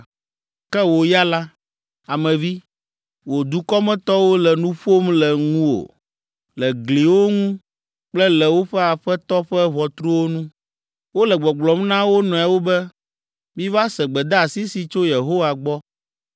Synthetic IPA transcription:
kɛ˦wo˨ja˦la˦ | a˨mɛ̃˨vi˦ | wo˨d̪u˨kɔ˦mɛ̃˦t̪ɔ˦wo˦lɛ˨nũ˦ɸo˦mlɛ˨ŋũ˦wo̰˨ | lɛ˨ɡli˨wo˦ŋũ˦ | k͡plɛ˦lɛ˨wo˦ɸɛ˦a˨ɸɛ˦t̪ɔ˦ɸɛ˦βɔ˨t̪ɾu˦wo˦nũ˦ | wo˦lɛ˨ɡ͡bɔ˨ɡ͡blɔ˨mnã˦wo˦nɔ̃˨a˨wo˦bɛ˦ | mĩ˦va˦sɛ˨ɡ͡bɛ˨d̪a˦a˨si˦si˨t͡ʃo˦je˨ɦo˦wa˨ɡ͡bɔ˦

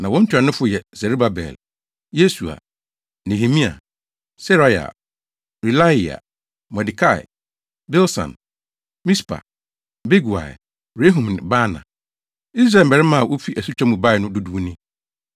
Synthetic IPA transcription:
nã˨wɔ̃˦ɲ̩ʰᶣ˦u˨a˨nʊ̃˦fʊ˦jɛ˨zɛ˨ɾu˦ba˦bɛ̰˨l | je˦su˨a̰˨ | nẽ˨ɦe˨mĩ˦a̰˨ | sɛ˦ɾɔ˨˦ja̰˨ | ɾi˨la˦i˨a̰˨ | mɛ˨di˨kʰa˦˨ɪ̰˨ | bɛ˦lsã̰˨n | mĩ˦spʰa̰˨ | be˦ɡu˨a̰˨ɛ˨ | ɾe˦ɦũ˨m˨ñ˨ba˦nã̰˨ | i˦s̬ɾa˦˨m̩˨bɛ˨ɾɛ˦mã˦a˨wo˦fi˦ʔæ˨su˦t͡ɕᶣa˦mũ˨ba˦ɪ˨nʊ̃˦du˦du˦nɪ̃˦

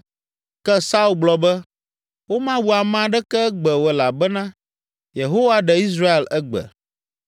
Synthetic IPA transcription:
kɛ˦sa˦u˨lɡ͡blɔ˨bɛ˦ | wo˦mã˦wu˨a˨mã˦ɖɛ˦kɛ˦ɡ͡bɛ˨wɛ˨la˨bɛ˦nã˦ | je˨ɦo˦wa˦ɖɛ˨i˦s̬ɾa˦e˨lɛ˦ɡ͡bɛ̰˨

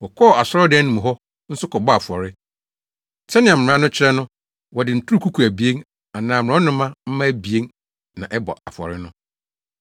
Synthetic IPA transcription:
wɔ˨kʰɔ˦˨a˨sɔ˦ɔ˦dɪ˨˦nĩ˨m˨ɦɔ˦ | n̩˦sʊ˦kʰɔ˨bɔ˦a˨fɔ˨ɾɪ˦˨ | t͡ɕʰɛ˦nɪ̃˨ã˨m̩˨ɾã˦nʊ̃˦t͡ɕʰɪ˦ɾɛ˦nʊ̃˦ | wɔ˨dɪ˨n̩˨tʰu˦u˦ku˦kʰu˨æ˨bi˨e˦n | a˨nãː˨m̩˨ɾã˨˦nʊ̃˦mã˦m̩˦mã˦bi˨e˦n | nã˨ʔɛ˦bɔ̰˨a̰˨fɔ̰˨ɾɪ˦nʊ̃˦

